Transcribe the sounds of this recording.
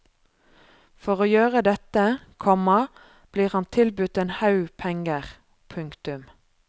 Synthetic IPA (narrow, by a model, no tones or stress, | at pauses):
fɔʁoːjøːʁəd̪ɛt̪əkʰɔmɑ | b̥liːʁhɑnt̪ʰɪlbʉt̪eːnhɑʉpʰɛŋəʁ | pʰʉŋkt̪ʉm